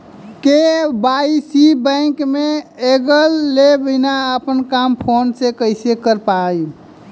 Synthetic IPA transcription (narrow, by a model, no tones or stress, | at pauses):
kebaisibɛ̃kmeeɡəlːebəɪnaəpənkampʰonsekəɪsekəɾpai